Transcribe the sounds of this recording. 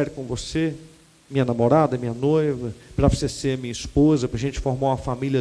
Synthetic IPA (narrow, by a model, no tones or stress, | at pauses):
ɛɾʊkõvose | mĩɲɐnamoɾad̪ɐmĩɲɐnojvɐpɾɐvoseseɐmĩɲɐispozɐpɾɐʒẽnt͡ʃɪ̥foɾmaũɐfamilɐ